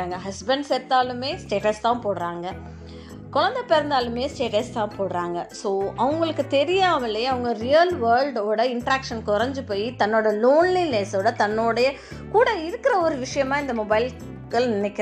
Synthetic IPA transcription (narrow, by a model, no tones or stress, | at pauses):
aŋɡɐɦɐsbɐɳɖsɛt̪ːaːlɯmeːsʈeːʈɐst̪ãːpoːɽɾaːŋɡɐ | kʊɭɐnd̪ɐpɛɾɐnd̪aːlɯmeːsʈeːʈɐst̪ãːpoːɽɯɾaːŋɡɐsoːɐʋɐŋɡɐɭɯkːɯt̪ɛɾɪjaːmɐleːɐʋɐŋɡɐɾijɐlʋɐɾlɖoːɽɐɪɳʈɾaːkʂɐnkɔɾɐɲd͡ʒɯpoːjit̪ɐnːoːɽɐloːnlileːsoːɽɐt̪ɐnːoːɽɐjɐ | kuːɽɐɪɾɯkːɪɾɐɔɾɯʋɪʂɐjɐmaːɪnd̪ɐmɔbɐɪl | ɡɐɭnɪnɛkːɪɾ